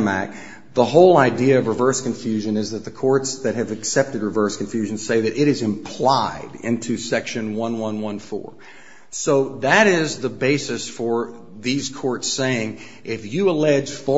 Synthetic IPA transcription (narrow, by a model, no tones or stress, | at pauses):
mæ̰k̚ | ðəɦoʊlˠaɪdiɨʌvɹɨvɜ˞skɨ̃ɱfjʉʒɨ̃nɨzðɨt̪̚ðɨkʰɔɹtsðɨt̚ɦɨvɨksɛp̚tɨd̚ɹɨvɜ˞skɱfjʉʒɨ̃n̩seɪðɨɾʔɪɾɨzɨ̃mpʰl̥aɪɾɪ̰̃ntʰʉsɛkʃɨ̃nwʌ̃nwʌ̃nwʌ̃nfɔ̰ɹ | soʊðɨɾɪzðəbeɪsɨsfə˞ | ðiz̥kʰɔɹtseɪɪ̃ŋ | ʔɪfjɨəlɛ̥d͡ʒ̥fə